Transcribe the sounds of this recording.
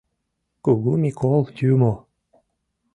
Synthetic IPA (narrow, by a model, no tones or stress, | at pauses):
kuɣumʲikʰolˠt̪ʲymo